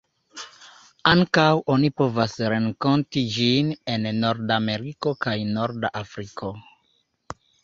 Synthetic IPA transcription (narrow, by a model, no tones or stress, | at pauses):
aŋkawʔo̞nipo̞vasɾe̞ŋko̞ntid͡ʒine̞nːo̞ɾdame̞ɾiko̞kajnoɾdaʔafɾikʰo̞